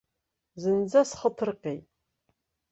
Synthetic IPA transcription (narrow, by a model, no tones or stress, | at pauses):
zɨnd͡zɐsχəpʰɨrqʲej